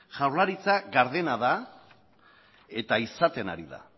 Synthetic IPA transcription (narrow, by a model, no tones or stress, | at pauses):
ʝawɾlaɾit͡saɡaɾðe̞naða | e̞t̪aisat̪e̞na̰ɾiða̰